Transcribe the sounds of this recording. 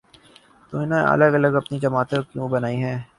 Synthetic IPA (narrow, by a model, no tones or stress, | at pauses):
t̪oːɪnãʔɐ̰ləɡɐləɡɐpnid͡ʒɐmaːt̪ekjũːbɐnaːiɦɛ̃ː